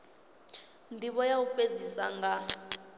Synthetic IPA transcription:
ndʱiβɔjaufed͡zisa̰ŋɡa

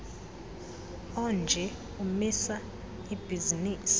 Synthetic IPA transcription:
ɔnd͡ʒʱɛ | umisa | ib̥ʱiziniːsi̥

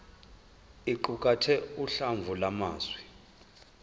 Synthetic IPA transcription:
iǃukʼatʰɛuɬaɱvʱulama̰ːzwi

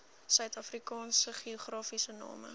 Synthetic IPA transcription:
sœɥtɐfrikɑːnsəχioχrɑːfisənɑ̰ːmə̰

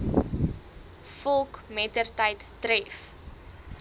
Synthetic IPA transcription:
fɔlˠkmɛtərtəjtːrɛf

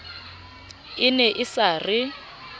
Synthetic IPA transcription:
ɪnɛʔɪsarɪ

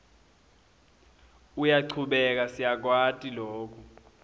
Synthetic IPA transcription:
ujaǀʰuɓɛk̬asijak̬ʼwatʼiloːk̬ʰʼu

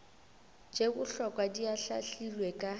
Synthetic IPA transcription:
d͡ʒekʊɬɔkʼwadiaɬa̰ɬilwekʼa

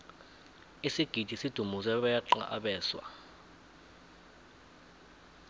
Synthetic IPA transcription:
isiɡ̥ʱid̥ʱisid̥ʱumus̬ɛɓajaǃa̰ʔaɓɛːswa̰

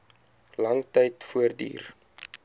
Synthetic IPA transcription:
lɐŋtɛjtfuərdḭːr

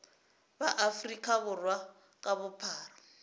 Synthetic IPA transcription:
baʔafrikʼaβʊrwa | kʼaβʊpʰaːra

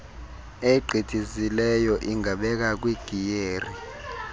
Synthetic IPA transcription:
eǃʱitʼizilɛjɔʔiŋʱaɓɛk̬ak̬wiɡ̥ʱijeːri

